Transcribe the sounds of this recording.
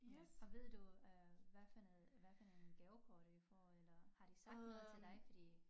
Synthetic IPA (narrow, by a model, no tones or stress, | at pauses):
ɒ̽ʋe̝ð̞̰ˠd̥uøʋæɐfæl̰ðˠʋæɐfæl̰enɡ̥ɛʊkʰɒːd̥əd̥ufɒ̰ːelɐhɑ̈d̥isɑ̈ɡ̥d̥nɔːð̞̩ˠt͡sʰe̝ld̥ɑ̈ɪfɒd̥ḭː